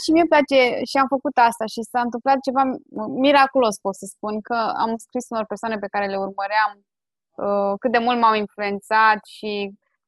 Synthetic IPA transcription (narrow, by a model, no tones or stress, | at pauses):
ʃimieplat͡ʃe̞ʃiamfəkut̪ast̪aʃisaɨnt̪ɨmplat̪̚t͡ʃe̞vamiɾakulo̞spot̪səspunkəa̰mskɾisunorpersoane̞p̬e̞kaɾe̞le̞urməɾeam | əkɨt̪̚d̪e̞mult̪maminflue̞nt̪sat̪ʃi